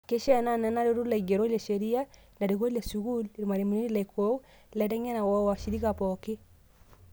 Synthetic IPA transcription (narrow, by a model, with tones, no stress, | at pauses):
ke˦ʃɛ˦na˦na˨˦na˦ɾe˦ɾu˦la˨i˨ɡɛ˨ɾo˦le˨ʃe˨ɾi˦a˦ | na˨ɾi˨ɣo˦la˨su˨ɣu˦lɾi˨ma˨ɾi˨mi˨ni˦ni˦la˨i˨kʰo˦u˦ | lɛ˨tɛ˦ŋɛ˦na˨wɔ˦wa˨ʃi˨ɾi˦ɣa˨pɔke˦